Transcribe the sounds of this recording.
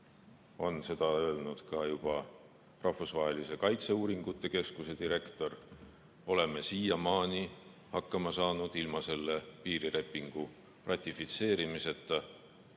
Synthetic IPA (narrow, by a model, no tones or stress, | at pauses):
o̞nse̞d̪̥ɑø̞elnud̪̥kɑjub̥ɑ | rɑhvusvɑɦe̞lise̞kɑjt̪se̞uːɾiŋɡ̥ut̪ˑːe̞ke̞skuse̞d̪iɾe̞kt̪o̞r | o̞le̞me̞siːjɑmɑːnʲi | hɑkːɑmɑsɑːnud̪̥ilmɑse̞lːepiːɾile̞pːˑiŋɡ̥u | rʔɑt̪ʲːˑifit̪se̞ːɾimise̞t̪ːˑɑ